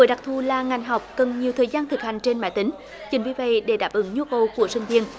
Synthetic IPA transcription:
əː˨˦jɗa˨˩k̚t̪ʰu˧˩laː˨˩ŋa˨˩jŋ̟ɦa˨˩wk͡p̚kə˨˩nɲi˨˩əwt̪ʰəː˨˩jzaː˧nt̪ʰɨ˨˩k̚ha˨˩ŋ̟t͡ɕe˧nma̰ː˧˨˦jt̪ï˨˦ŋ̟ | t͡ɕï˨˩ŋ̟vi˧˦və̰˧˨jɗe˧˩˦ɗaː˨˩p̚ʔɨ˨˦ŋɲu˧kə˨˩wku˧˩əsï˧ŋ̟vi˧ən

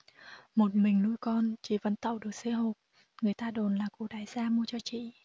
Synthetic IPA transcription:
mo˨˩t̚mï˨˩ŋ̟nu˧jkɔ˧nt͡ɕi˧˩və̰˧˥nt̪ə̰˧˨wɗɨ˨˩ək̚se˧˦ɦo˨˩k͡p̚ | ŋɨ˨˩əjt̪aː˧ɗo˨˩nlaː˨˩kṵ˧˩ɗaː˨˦jzaː˧mu˧ət͡ɕɔ˧t͡ɕḭ˧˨

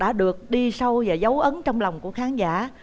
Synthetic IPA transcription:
ɗa̰ː˧˥ɗɨ˨˩ək̚ɗi˧sa˧wvaː˨˩zə˨˦wʔə˨˦nt͡ɕɔ˧wŋ͡mlɔ˨˩wŋ͡mku˧˩əxaː˨˦nzaː˧˩˨

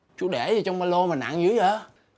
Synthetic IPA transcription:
t͡ɕu˨˦ɗe˧˩zə˨˩t͡ɕɔ˧wŋ͡mmaː˧lo˧maː˨˩na̰˧˨ŋzɨ˨˦jʔəː˧˦

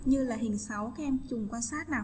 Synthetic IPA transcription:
ɲɨ˧laː˨˩ɦḭ˨˩ənsa˨˦wkaː˨˦˥ʔɛ˧mt͡ɕʊ˨˩ŋ͡mkwaː˧nsaː˦˥t̚naː˨˩w

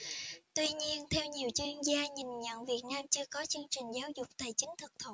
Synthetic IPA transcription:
t̪wi˧ɲi˧ənt̪ʰɛ˧wɲi˨˩əwt͡ɕi˧ənzaː˧ɲi˨˩nɲə̰˧˨nvi˨˩ət̚naː˧mt͡ɕɨ˧əkɔ˨˦t͡ɕɨ˧əŋt͡ɕï˨˩ŋ̟zaː˨˦wzʊ˨˩k͡p̚t̪a˨˩jt͡ɕï˨˦ŋ̟t̪ʰɨ˨˩k̚t̪ʰo˧˨˩

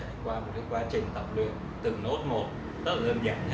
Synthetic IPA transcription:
kwaː˧mo˨˩nɨ˦˥əkwaː˨˧˦t͡ɕï˨˩ŋ̟t̪ə˨˩wp̚lɨ̰˧˨əŋ | t̪ɨ˨˩no˦˥t̚mo˨˩t̚ | t̪ə˦˥a˨˩lə˧nza̰ː˧˩ŋ

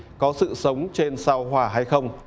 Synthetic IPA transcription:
kɔ˨˦sɨ̰˧˨sə˨˦wŋ͡mt͡ɕe˧nsa˧wɦwaː˧˩ɦa˧jxə˧wŋ͡m

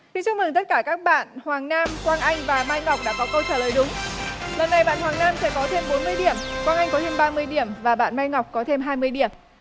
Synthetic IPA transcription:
t̪i˧˦t͡ɕʊ˧ŋ͡m̚mɨ˨˩ŋt̪ə˦˥t̚kaː˧˩kaː˦˥k̚ɓa̰ː˧˨nhwaː˨˩ŋnaː˧mkwaː˧nʔa˧jŋ̟vaː˨˩maː˧jŋa˨˩wk͡p̚ɗa̰ː˧˥kɔ˨˦kə˧wt͡ɕaː˧˩ləː˨˩jɗʊ˨˦ŋ͡mlə˨˩nːa˨˩jɓa̰ː˧˨nhwaː˨˩ŋnaː˧msɛ̰˧˥kɔ˨˦t̪ʰe˧mɓo˨˦nmɨ˧əjɗi˧˩əmkwaː˧nʔa˧jŋ̟kɔ˨˦t̪ʰe˧mɓaː˧mɨ˧əjɗi˧˩əmvaː˨˩ɓa̰ː˧˨nma˧jŋa˨˩wk͡p̚kɔ˨˦t̪ʰe˧mɦaː˧jmɨ˧əjɗi˧˩əm

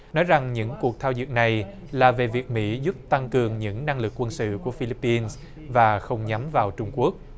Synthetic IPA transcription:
nɔ˨˦jza˨˩ŋɲɨ̰˧˥ŋku˨˩ək̚t̪ʰaː˧wzɨ̰˧˨ŋ̚na˨˩j | laː˨˩ve˨˩vi˨˩ək̚mḭ˧˥zu˦˥p̚t̪a˧ŋkɨ˨˩əŋɲɨ̰˧˥ŋna˧ŋlɨ˨˩kːwə˧nsɨ̰˧˨ku˧˩əfi˧li˦˥pːi˧ns | vaː˨˩xə˧wŋ͡mɲa˨˦mvaː˨˩wt͡ɕʊ˧ŋ͡mku˦˥ək̚

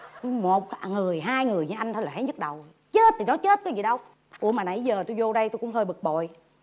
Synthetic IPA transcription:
mo˨˩t̚ŋɨ˨˩əjɦaː˧jŋɨ˨˩əjɲɨ˧˦ʔa˧jŋt̪ʰlaː˨˩ha˨˦jɲɨ˦˥k̚ɗə˨˩w | t͡ɕe˦˥t̚t̪ʰi˨˩nɔ˨˦t͡ɕe˦˥t̚kɔ˨˦zi˨˩ɗə˧w | ʔu˧˩maː˨˩na˨˩jzəː˨˩t̪u˧jzo˧ɗə˧jt̪o˧jkʊ̰˧˥ŋ͡mhəː˧jɓɨ˨˩k̚ɓo̰˨j

